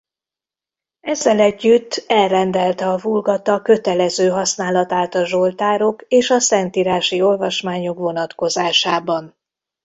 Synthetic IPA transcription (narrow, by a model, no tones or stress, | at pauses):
ɛzːɛlɛɟːyt̪ʰːɛlrɛnd̪ɛlt̪ɛɒvulɡɒt̪ɒkø̞t̪ɛlɛzøːɦɒsnaːlɒt̪aːt̪ɒʒo̞lt̪aːɾo̞keːʃɒsɛnt̪iːɾaːʃio̞lvɒʃmaːɲo̞kʋo̞nɒt̪ko̞zaːʃaːbɒn